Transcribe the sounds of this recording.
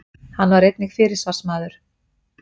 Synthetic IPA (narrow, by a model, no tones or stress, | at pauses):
hanvaɾejt̪̚nɪxfɪːɾɪɾ̥svar̥smaːðʏɾ̥